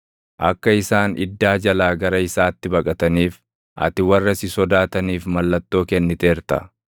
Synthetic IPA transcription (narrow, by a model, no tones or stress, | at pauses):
ʔɐ̰kːɐɪsaːnɪ̰d̪ːaːd͡ʒɐlaːɡɐɾɐɪsaːt̪ːɪbɐkʼɐt̪ɐniːf | ʔɐ̰t̪ɪwɐrːɐsɪsɔd̪aːt̪ɐniːfmɐlːɐt̪ːo̞ːkɛnːɪt̪e̞ːɾt̪ɐ̰